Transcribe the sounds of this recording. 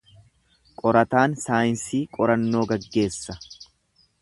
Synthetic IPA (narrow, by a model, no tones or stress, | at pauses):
kʼɔɾɐt̪aːnsaːjɪnsiːkʼɔɾɐnːo̞ːɡɐɡːe̞ːsːɐ